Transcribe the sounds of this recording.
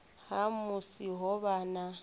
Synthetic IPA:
hamʊsiɦɔβaːna

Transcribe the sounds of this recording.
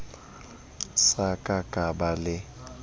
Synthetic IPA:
sakʼakʼabalɪ

